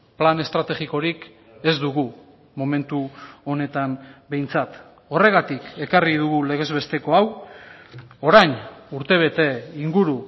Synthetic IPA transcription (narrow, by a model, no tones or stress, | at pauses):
plane̞st̪ɾat̪e̞ɣiko̞ɾik | e̞zd̪uɣu | mo̞me̞nt̪uo̞ne̞t̪ambe̞jnt͡sat̪ | o̞re̞ɣat̪ike̞kariðuɣule̞ɣ̞e̞zβe̞st̪e̞ko̞aw | o̞ɾajnuɾt̪e̞β̞e̞t̪e̞iŋɡuɾu